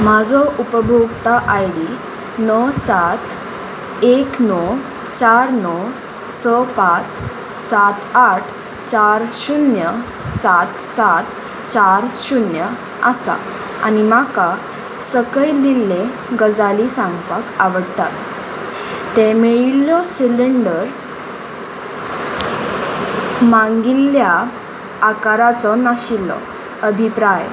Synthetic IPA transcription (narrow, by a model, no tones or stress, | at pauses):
mad͡zʱɔʔupəbʱoɡt̪aʔajɽi | nəsat̪ | eknɔ | t͡ɕaɾnɔ | səpat͡s | sat̪aʈʰ | t͡ɕaɾɕunjə | sat̪sat̪ | t͡ɕaɾɕunjə | asa̰ | a̰nimaka | səkəjlilːe | ɡəd͡zalisãŋɡpakaʋəɽt̪a̰t̪ | t̪ːemeɭilːɔsiliɳɖəɾ | mãŋɡilːjaː | kaɾat͡sɔnaɕilːɔ̰ | əbʱipɾaj